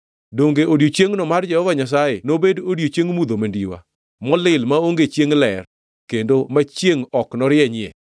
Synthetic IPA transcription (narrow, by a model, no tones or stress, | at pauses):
doŋɡeʔodjot͡ʃjeŋnɔmard͡ʒɛhɔvaɲas̬ajenobedodjot͡ʃjeŋmud̪omendiwa̰ | mɔlɪlmaoŋɡet͡ʃjeŋlɛr | kendomat͡ʃjeŋɔknɔɾɪɛɲɪɛ̰